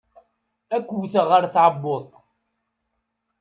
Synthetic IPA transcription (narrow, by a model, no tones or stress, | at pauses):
ækʷːwθəʁəɾθʕəbːoðˤ